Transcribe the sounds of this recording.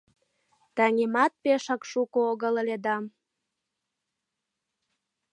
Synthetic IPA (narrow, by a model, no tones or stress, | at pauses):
t̪ɑŋʲemɑt̪̚peʃə̆kʃukooɣə̆ləled̪ɑm